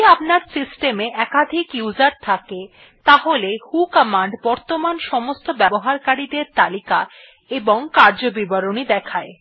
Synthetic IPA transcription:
apnaɾsisʈemeʔɛkad̪ʱikjud͡ʑaɾt̪ʰake | t̪aɦolehukamaɳɖbɔɾt̪omanʃɔmost̪obɛboɦaɾkaɾid̪eɾt̪alika | eboŋkaɾd͡ʑobibaɾonid̪ɛkʰae

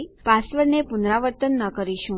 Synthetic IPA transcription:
pasʋəɾnepunɾaʋəɾt̪ənːəkəɾiʃũ

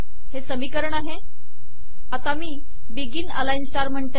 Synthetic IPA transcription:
hesəmiːkəɾəɳaɦe | at̪amiː | biɡiːnə̰lainsʈaɾm̤əɳt̪e

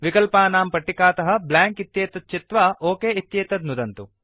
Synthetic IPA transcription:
ʋikɐlpaːnaːmpɐʈːikaːt̪ɐɦɐ̆blaːŋkit̪jeːt̪ɐt̪̚t͡ʃit̪ʋaoːkeːit̪jeːt̪ɐd̪nud̪ɐnt̪u

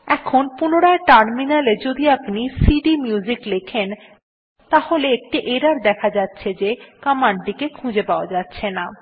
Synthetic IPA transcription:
ɛkʰonpunoɾaeʈaɾminaled͡ʑod̪iapnisiɖimjud͡ʑiklekʰen | t̪aholeek̚ʈiʔeɖaɾd̪ɛkʰad͡ʑatːɕʰed͡ʑekamaɳɖikekʰũd͡ʑepaoad͡ʑatːɕʰena

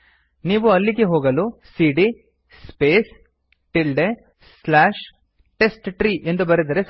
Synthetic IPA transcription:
niːʋuɐlːiɡeɦoːɡɐlusiːɖi | speːs | ʈilɖe | slaːʂ | ʈe̞sʈʈɾiːʔe̞nd̪ubɐɾid̪ɐɾes

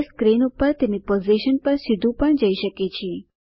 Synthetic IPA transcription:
skɾinupəɾt̪emnepoziʃənpəɾsɪd̪ʱũpəɳd͡ʒəiʃəket͡ʃʰe

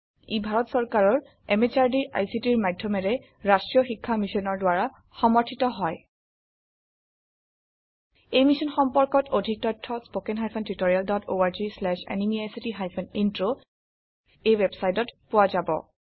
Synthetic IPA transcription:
ibʱaɹɔtsɔɹkaɹɔɹ | ɛmet͡ʃaɹdiɹʔa̰jsitiɹmadʱːɔmɛɹɛ | ɹastɹijɔxikʰːamisɔnɔɹdʊwaɹa | xɔmɔɹtʰitɔɦɔj | ejmisɔnxɔmpɔɹkɔtʰodʱik̚tɔtʰːɔspokɛnɦajpʰɔntɹitoɹialdɔto̰aɹzislɛʃɛ̰nimiajsitiɦajpʰɔnintɹo | ejwebsajtɔtpʊwazabɔ̰

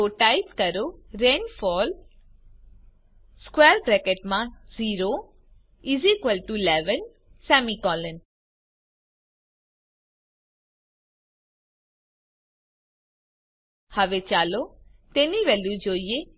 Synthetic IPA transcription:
oʈajpkəɾoɾeːnfɔːl | skweːɾbɾɛkeʈmãziːɾo | izikʋəlʈulɛʋən | sɛːmikɔːlən | həʋet͡ʃaːlot̪eniʋɛljud͡ʒoːie

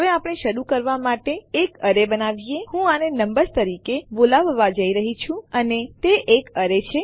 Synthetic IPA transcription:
ɦɦəʋeapɽ̃eʃəɾukəɾʋamaʈeːkəɾebənaʋijehũanenəmbəɾt̪əɾikebolaʋːad͡ʒəiɾəɦit͡ʃʰũənet̪eʔekəɾet͡ʃʰe

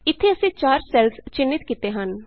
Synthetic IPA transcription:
ɪt̪ʰːeəsĩːt͡ʃaːɾsɛːlst͡ʃɪnːɪt̪kiːt̪eːɦən

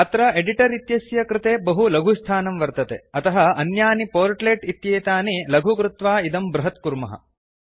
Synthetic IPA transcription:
ɐt̪ɾɐeɖiʈɐɾit̪jɐsjɐkɾɪt̪eːbɐɦulɐɡʱust̪ʰaːnɐmʋɐɾt̪ɐt̪ḛɐt̪ɐɦɐɐnjaːnipoːɾʈleʈit̪jeːt̪aːnilɐɡʱukɾut̪ʋaːid̪ɐmbɾɐɦɐt̪kuɾmɐɦɐ̰

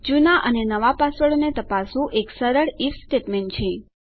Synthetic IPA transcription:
d͡ʒunaʔənenəʋapasəɭonet̪əpasũʔeksəɾəɭifsʈeʈmeɳʈt͡ʃʰe

